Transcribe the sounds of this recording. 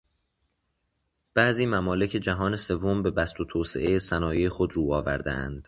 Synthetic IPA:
b̥æʔziːmæmɒːle̞cʰe̞d͡ʒæɦɒːne̞se̞vːo̞mbe̞bæst̪ʰot̪ʰoːsḛʔejesænɒːjejexod̪ɾuːɒːvæ̰ɾd̪ḛæ̰nd̪̥

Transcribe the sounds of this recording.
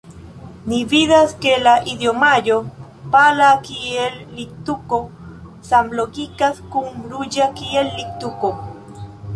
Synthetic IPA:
niβiðaskelaʔid̪jomajo | palakielːik̚t̪uko | sambloɡikaskumɾujakielːik̚t̪uko

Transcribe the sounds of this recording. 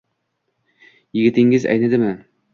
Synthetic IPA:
jɪ̆ɡʲɪ̆t̪ɪŋɪzæ̰jnæd̪ɪmɘ

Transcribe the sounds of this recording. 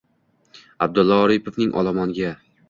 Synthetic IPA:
ab̚d̪ʊlˠːɒːɾɪpʰovnɪŋʔɒ̰lˠɒmɒnɡʲa

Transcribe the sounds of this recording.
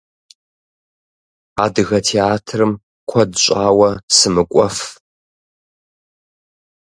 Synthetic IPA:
a̰ːdɨɣɐtʰeaːtʰrɨm | kʷʰɔdɕʷʼaːwɐsɨmɨkʷʼɔf

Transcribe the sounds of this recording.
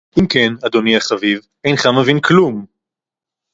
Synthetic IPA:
ʔimkenad̪oniaχaviv | e̞jnχamevinklum

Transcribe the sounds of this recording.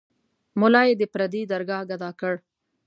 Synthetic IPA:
mʊlɑjed̪əpɾad̪id̪aɾɡɑɡad̪ɑkəɽ

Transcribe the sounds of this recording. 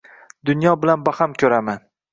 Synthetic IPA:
d̪ʊnjɒbɪlanbahamkʲʰɵɾaman

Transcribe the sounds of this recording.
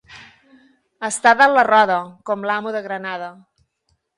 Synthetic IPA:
əst̪aðələrɔðəkɔmlamuðəɣɾənað̞ə

